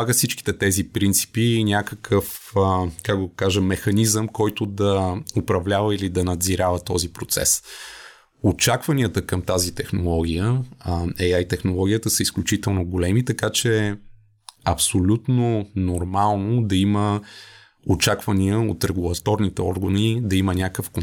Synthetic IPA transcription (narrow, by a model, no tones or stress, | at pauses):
aɡəfsit͡ʃki̥t̪ɛt̪ɛzipɾint̪si̥piːnʲakəkʰəf | kakɡ̪okaʒəmːɛxɐnizəmkɔjt̪ʊd̪ɐopɾɐvlʲavəilid̪ɐnɐd̪ziɾavɐt̪ɔzipɾot̪sɛ̰s | ot͡ʃakvɐniət̪əkəmt̪azit̪ɛxnolˠɔɡ̟ʲijə | ɛjajt̪ɛxnolˠɔɡʲijət̪əsəisklʲut͡ʃit̪ɛlˠnoɡolɛmit̪ɐkat͡ʃɛ | ɐpsolʲut̪nonoɾmalˠnod̪ɐimə | ot͡ʃakvɐniəot̪ɾɛɡulˠɐt̪ɔɾnit̪ɛɔɾɡənid̪ɐimənʲakəfko